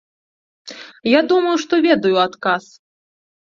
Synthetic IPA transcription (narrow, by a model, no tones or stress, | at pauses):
jad̪umɐjuʂt̪ɔvʲɛd̪ɐjuat̪kas